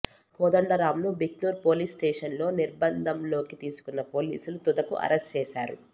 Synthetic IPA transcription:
kɔːd̪ɐɳɖɐɾaːmlubikluːɾpo̞ːliːsʈeːʂɐnlo̞ːniɾbɐnd̪ʱɐmlo̞ːkit̪iːsu̥kunːɐpo̞ːlḭːsulut̪ud̪ɐkṵʔɐ̰ɾesʈt͡ʃeːʃaːɾṵ

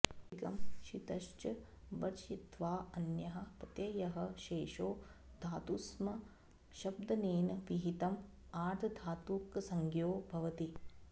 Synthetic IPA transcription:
kɐ̰mʃit̪ɐʃt͡ʃɐ | bɐɾʃit̪ʋaːɐnjɐɦɐ̆pɐt̪jɐjɐɦɐ̆ʃeːʃoːd̪ʱaːt̪usmɐ | ʃɐb̚d̪ɐneːnɐʋiɦit̪ɐm | aːɾd̪ʰʱɐd̪ʱaːt̪uːksɐŋɡjoːbʱɐʋɐt̪i

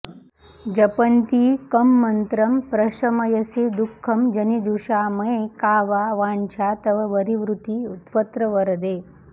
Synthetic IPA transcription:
d͡ʒɐpɐnt̪iːkɐmːɐnt̪ɾɐmpɾɐʃɐmɐjɐsid̪ukʰːɐmd͡ʒɐnid̪uʂaːmɐekaːʋaːʋaːnt͡ʃʰaːt̪ɐʋɐʋɐɾiʋɾut̪iːut̪pɐt̪ɾɐʋɐɾɐd̪eː

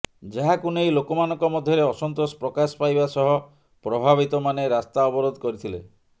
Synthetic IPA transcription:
d͡ʒaɦakunejlokɔmanɔŋkɔmɔd̪ʱjɔɾeɔsɔnt̪ɾospɾɔkaspajbasɔɦɔ | pɾɔbʱaβit̪ɔmaneɾast̪aɔbɔɾod̪ɔkɔɾit̪ʰile

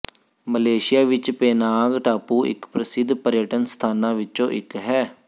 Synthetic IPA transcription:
məleːʃɪjaːʋɪt͡ʃpeːnaːɡʈaːpuːʔɪ̰kpɾəsɪd̪pəɾɪjəʈənst̪ʰaːnãːʋɪt͡ʃõːʔɪkɦɛː

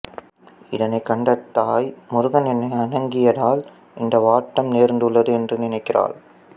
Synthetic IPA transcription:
ɪðɐnɐɪkːɐɳɖɐt̪ːaːjmʊɾʊɣɐnɛnːɐɪɐnɐŋɡɪjɐðaːl | ʔɪnd̪ɐʋaːʈːɐmneːɾnd̪ɯɭːɐðɯɛndrɯnɪnɐɪkːɪra̰ːl

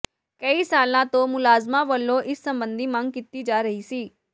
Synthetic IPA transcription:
kəisaːlnãt̪omʊlaːzmaʋəlːoʔɪsːə̃mbə̃nd̪ʱimãŋɡkɪt̪ːid͡ʒaːɾəɦisiː

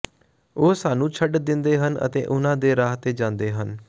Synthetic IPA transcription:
oːsaːnũːt͡ʃʰəɖd̪ɪnd̪eːɦənə̰t̪ḛːʔʊnãːd̪eːɾaːɦt̪eːd͡ʒãːnd̪eːɦən

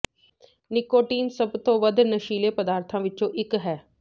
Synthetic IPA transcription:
nɪkoːʈiːnsəbt̪õːʋəd̪nəʃiːleːpəd̪aːɾt̪ʰãːʋɪt͡ʃõːʔɪkɦɛː

